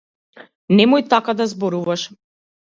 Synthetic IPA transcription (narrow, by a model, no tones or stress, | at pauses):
nɛmuit̪akad̪azbɔɾuvaʃɛ̥